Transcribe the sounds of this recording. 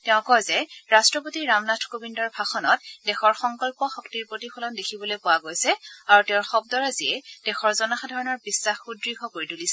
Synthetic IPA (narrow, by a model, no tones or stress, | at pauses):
tɛʊ̃kɔjzɛɹastɹɔpotiɹamnatʰkobindɔɹbʱaxɔnɔt̚dɛxɔɹxɔŋkɔlpɔxɔktiɹpɹotipʰɔlɔndekʰibɔlojpʊwaɡojsɛaɹutɛʊ̃ɹxɔbdɔɹaziɛd̥ɛxɔɹzɔnaxadʱaɹɔnɔɹbisːaxːudɹiɡʱɔkoɹitulisɛ